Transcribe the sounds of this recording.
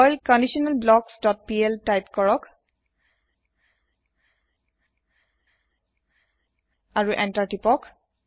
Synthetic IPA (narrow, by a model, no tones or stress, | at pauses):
ɔjlkɔndiʃɔnɛlblɔksdɔt̚piɛltajpkɔɹɔk | aɹuʔɛntatipɔk